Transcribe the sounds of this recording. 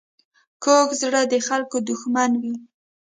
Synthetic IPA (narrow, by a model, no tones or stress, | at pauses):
kokzɽəd̪əxalkod̪ʊxmanwi